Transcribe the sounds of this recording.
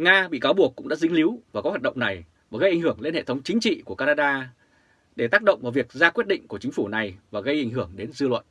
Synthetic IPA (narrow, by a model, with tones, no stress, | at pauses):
ŋaː˧ɓḭ˧˨ka˨˦wɓu˨˩əkːʊ̰˧˥ŋ͡mɗa̰ː˧˥zï˧˦ŋ̟li˨˦wvaː˨˩kɔ˨˦a˨˩t̚ɗə̰˧˨ŋ͡mna˨˩j | vaː˨˩ɣə˧jʔa˧˩jŋhɨ˧˩əŋle˧nhḛ˧˨t̪ʰə˨˦wŋ͡mt͡ɕï˨˦ŋ̟t͡ɕḭ˧˨ku˧˩əkaː˧naː˧ɗaː˧ | ɗe˧˩t̪aː˦˥k̚ɗə̰˧˨ŋ͡mvaː˨˩vi˨˩ək̚zaː˧kwi˦˥ət̚ɗḭ̈˧˨ŋ̟ku˧˩ət͡ɕi˨˦ŋ̟fu˧˩na˨˩jvaː˨˩ɣə˧jʔa˧˩jŋɦɨ˧˩əŋɗe˨˦nzɨ˧lwə̰˧˨nʔ